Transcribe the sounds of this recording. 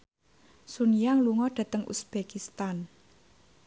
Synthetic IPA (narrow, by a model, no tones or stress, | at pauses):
sunijaŋluŋɔɖ̥ä̤t̪əŋṵsb̥ekist̪an